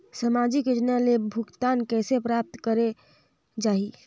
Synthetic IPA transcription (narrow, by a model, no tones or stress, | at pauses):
səmaːd͡ʒikəd͡ʒnalebʱʊkt̪aːnkɛːsepɾaːp̚t̪kəɾe | d͡ʒaːɦi